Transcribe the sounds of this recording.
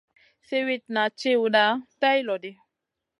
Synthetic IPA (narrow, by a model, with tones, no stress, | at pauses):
se˦wi˦t̚na˨t͡ʃe˦wu˨da˦tɛ˦jlɔ˨dɪ˦